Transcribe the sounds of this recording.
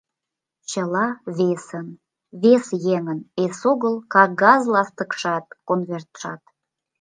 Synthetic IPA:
t͡ɕəlɑβesən | βesjeŋənesoɣəlkɑk̚ɡɑzlɑst̪əkʃɑt̪̚konvert̪ʃɑt̪

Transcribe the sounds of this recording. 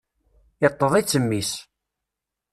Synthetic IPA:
ɪt̪ˤːəðˤit͡sːəmːis

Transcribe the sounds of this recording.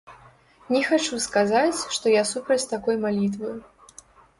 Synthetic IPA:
nʲɛxat͡ʂuskazat͡sʲʂt̪ɔjasupɾɐt͡sʲt̪akɔjmalʲit̪vɨj

